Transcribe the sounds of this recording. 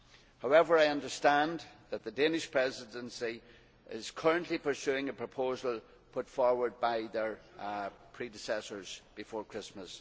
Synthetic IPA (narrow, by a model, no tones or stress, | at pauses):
haʊɛvə˞aɪʌ̃ndə˞stãnðət̪̚ðədẽnɪʃpʰɹ̥ɛzɪdə̃nsi | ʔɪz̥kʰɜ˞ə̃nʔlipʰə˞sʉɪ̃ŋəpʰɹ̥əpʰozəlˠ | pʰʊtfɔɹwə˞d̚baɪðə˞ | pʰɹ̥idɪsɛsə˞z̥b̥ɪfɔːɹkʰɹ̥ɪsməs